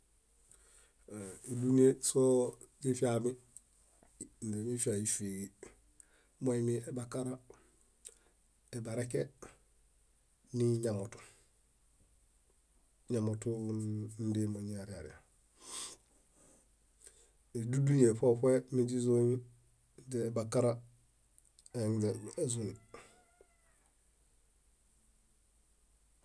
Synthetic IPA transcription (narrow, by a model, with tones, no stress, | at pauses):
i˨du˦ni˦e˦so˦ | ɟi˦fi˦ami˦ | n˨de˨ɲi˦fi˦a˨ji˨fi˨ɡi˨ | mo˦i˦mi˦e˨ba˨ka˦ɾa˦ | e˨ba˨ɾe˦ke˦ | ni˦ɲa˨mo˨tu̥˨ | ɲamotundimoɲiaɾia̰ɾḭa | edudujefopemiɟizoɲ | d͡ʒeebakaɾa | eezuni